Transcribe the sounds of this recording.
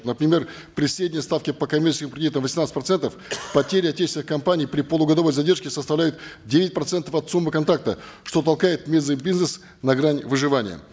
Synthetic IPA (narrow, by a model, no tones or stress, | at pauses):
nəpɾʲɪmʲe̞r | pɾʲɪsɾʲedʲɪnʲjəst̪afkʲɪpəkɐmʲert͡ɕɪskʲɪmpkɾʲɪdʲit̪əmvəsʲɪmnat̪ɨ̥tpɾɐt̪sɛnt̪əfpɐtʲeɾʲɪɐtʲːet͡ɕsɪnɨxkɐmpanʲɪijpɾʲɪpəlˠʊɡɐd̪ɐvo̞jzɐdʲe̞rʂkʲɪsəst̪ɐvlʲæjʊt̪dʲevʲɪt̚ʲpɾɐt̪sɛnt̪əfɐt̪sumːɨkɐnt̪ɾak̚t̪əʂt̪o̞t̪̬ɐlˠkajɪt̪mʲezɨbʲiznəs | nɐɡɾanʲvɨʐɨvanʲɪ̰jə̰